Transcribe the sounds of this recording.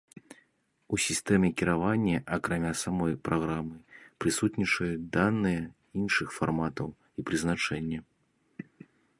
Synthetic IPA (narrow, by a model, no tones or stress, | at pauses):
usʲist̪ɛmʲɛkʲiɾavanʲːɐʔɐkɾamʲasamɔjpɾʔaɣɾamɨpɾɨsut̪nʲit͡ʂɐjud̪anːɨjɛ | inʂɨxfarmat̪ɐw | ipɾɨznat͡ʂɛnʲːɐ